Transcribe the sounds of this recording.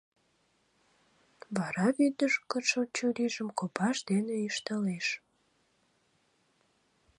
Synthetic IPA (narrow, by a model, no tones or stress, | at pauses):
βɑɾɑβyd̪əʃkəʃət͡ɕuɾiʒəmkopɑʃd̪eneiʃt̪ɑleʃ